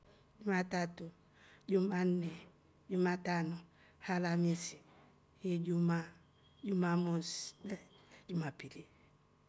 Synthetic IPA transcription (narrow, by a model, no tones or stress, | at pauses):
d͡ʒumatatu | d͡ʒumanːe | d͡ʒumatanɔ | halamisi | hid͡ʒuma | d͡ʒumamuslɛ | d͡ʒumapiɾi